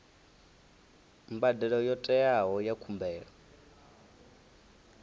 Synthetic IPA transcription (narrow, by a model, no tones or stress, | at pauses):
mbadɛɺɔjɔtʼɛaɦɔjakʰumbɛːɺɔ